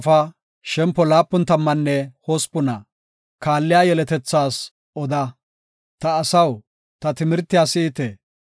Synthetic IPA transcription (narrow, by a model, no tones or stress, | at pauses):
fɐ | ʃɛmpːɔlaːpːʊnt̪ɐmːɐnːɛhɔspːʊnɐ | kaːlːɪjaːjɛlɛt̪ɛt͡sːaːs | ɔd̪ɐ | t̪ɐːsɐw | t̪ɐt̪ɪmɪɾt̪ːɪjaːsiːt̪ɛ